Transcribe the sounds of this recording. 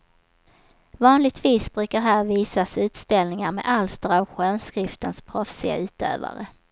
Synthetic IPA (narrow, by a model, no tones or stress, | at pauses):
vɑːnlɪɡ̚t̪viːsbɾʉ̟ːkaɾɦæːɾviːsasʉ̟ːt̪st̪ɛlnɪŋaɾmḛːʔalst̪ɾavɧœːnskɾɪft̪ənspʰɾɔfsɪa̰ʉ̟ːt̪ø̰ːva̰ɾə